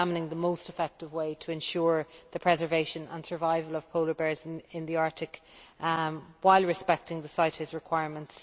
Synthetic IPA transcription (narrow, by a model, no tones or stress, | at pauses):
amənɪ̃ŋðəmoʊstɪfɛk̚tɪvweɪtʰəɛ̃nʃʊːɹðəpʰɹ̥ɛzə˞veɪʃə̃nə̰̃nsə˞vaɪvələv̥pʰoʊləbɛɹzɪ̃nðiaɹtɪk | waɪlˠɹɪspɛk̚tɪ̃ŋðəsaɪtɪzɹɪkʰw̥aɪɹmə̃nts